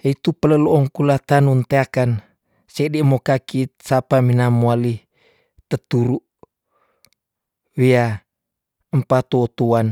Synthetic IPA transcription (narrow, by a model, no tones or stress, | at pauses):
it̪upələloɔŋkulat̪anunt̪eakan | sedimokakit̪̚sapaminamuali | t̪ət̪uɾuʔ | wia | əmpat̪oːt̪uan